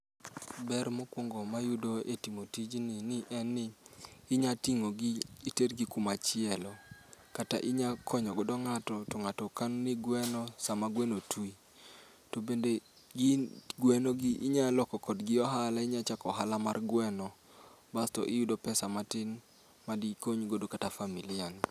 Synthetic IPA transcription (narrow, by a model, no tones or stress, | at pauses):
bɛɾmokwoŋɡɔmajudoetimotid͡ʒnɪnɪʔɛnːɪːɲatiŋoɡɪːtedɡikumat͡ʃɪɛlɔkata̰ʔɪɲakʰɔɲɔɡɔdɔŋatɔtɔŋatɔkanuniɡwɛnɔsamaɡwenotʰui | tobende | ɡɪɡwɛnoɡɪʔɪɲalɔkɔkɔdɡɪɔɦalaɪɲat͡ʃakɔɦalamarɡwɛnɔ | bastɔ̰ʔɪjudopɛsamatɪn | madikoɲɡodokatafamilɪjaŋ